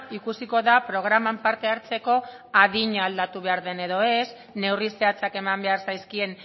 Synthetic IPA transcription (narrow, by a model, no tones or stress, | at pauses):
ikusiko̞ðapɾo̞ɣ̞ɾamampaɾt̪e̞aɾt͡se̞ko̞ | aðiɲaːld̪at̪uβe̞aɾðe̞ne̞ðo̞e̞s | ne̞wrise̞at͡sake̞mambe̞aɾsajskie̞n